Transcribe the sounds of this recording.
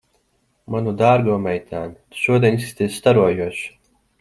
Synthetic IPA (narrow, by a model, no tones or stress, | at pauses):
manud̪aːɾɡuɔmɛjt̪ʰaːnit̪u̥ʃuɔd̪ʲiɛnisst̪ʲist̪aɾuɔjuɔʃ